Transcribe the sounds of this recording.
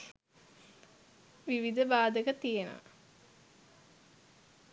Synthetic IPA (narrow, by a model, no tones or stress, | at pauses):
ʋiʋid̪əbaːd̪əkət̪ijena̰